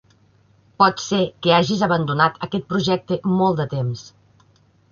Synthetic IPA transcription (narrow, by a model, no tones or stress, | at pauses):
pɔt̪sekəaʒizəβənd̪unat̪əkɛt̪̚pɾuʒɛk̚t̪əmɔlˠd̪ət̪ems